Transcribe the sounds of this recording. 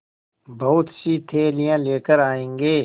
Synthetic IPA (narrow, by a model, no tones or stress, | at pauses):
bɐɦʊt̪sit̪ʰeːlijãːleːkəɾaːẽːŋɡeː